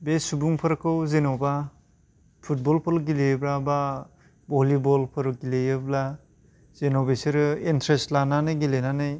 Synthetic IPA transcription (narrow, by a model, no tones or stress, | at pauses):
besubuŋpʰɯɾɯkʰɯwzenɔba | pʰut̚bɔlpʰɯɾuɡilejɯbɾaba | bɔlibɔlpʰɯɾɯɡilejɯbla | zenɔbesiɾɯintɾestlananɯjɡilenanɯj